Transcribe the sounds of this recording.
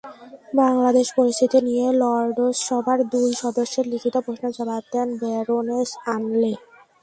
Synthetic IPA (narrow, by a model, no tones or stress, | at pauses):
baŋlad̪eʃpoɾist̪ʰit̪inijelɔɾɖosʃɔbʱaɾd̪ujʃɔd̪oʃːeɾlikʰit̪opɾoʃnod͡ʑabab̚d̪ɛnbeɾoneʃanle